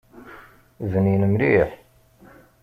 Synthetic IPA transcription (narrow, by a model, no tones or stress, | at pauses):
ðəninəmɾiħ